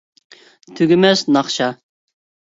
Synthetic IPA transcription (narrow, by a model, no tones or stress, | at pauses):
t̪ʰyɡʲɪmɛsnɑχʃɑ